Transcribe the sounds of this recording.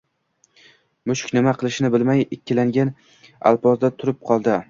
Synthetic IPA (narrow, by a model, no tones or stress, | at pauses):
mʊʃkʲnɪmaqʰɨlˠɪʃnɪbɪlmajɪkʲːɪlaŋɡʲan | a̰lˠpɒzd̪at̪ʰʊɾɪp̚qʰɒlˠd̪ɪ